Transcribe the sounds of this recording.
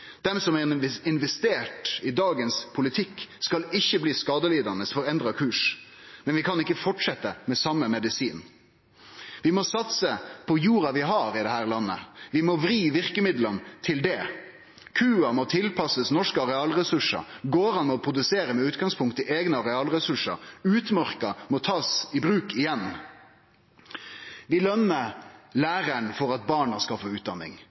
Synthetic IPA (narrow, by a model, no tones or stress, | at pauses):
d̪̥ɛmsɔmɛɪnʋɛst̪eːʈɪd̪ɑːɡənspʰʊlɪt̪ʰɪkːskɑlɪçːəbliːskɑːd̪əliːd̪ɑnəsfɔɾɛnd̪ɾɑkʰʉːʂmɛnʋɪkʰɑnɪkːəfɔʈʂɛt̪ːəmɛsɑmːəmɛd̪ɪsiːn | ʋɪmɔsɑt̪səpʰɔjuːɾɑʋɪɦɑɾɪd̪ɛɦhæːɾlɑnːə̰ʋɪmɔʋɾiːʋɪʁkəmɪd̪lənt̪ʰɪld̪ɛ | kʰʉːɑmɔt̪ʰɪlpʰɑsəsnɔʂkəɑʁɛɑːlɾɛsʉʂə̰ɡoːɾɑnmɔpʰɾʊd̪ʉseːɾəmɛʉːt̪ɡɑŋspʰʊŋkt̪əʔeːɡnəɑɾɛɑːlɾɛsʉʂə̰ʉːt̪mœʁkɑmɔt̪ʰɑːsɪbɾʉːkɪjɛn | ʋɪlœnːəlæːʁæɳfɔɾɑt̪̚bɑːɳɑskɑfɔʉːt̪̚d̪ɑnːɪ̰ŋ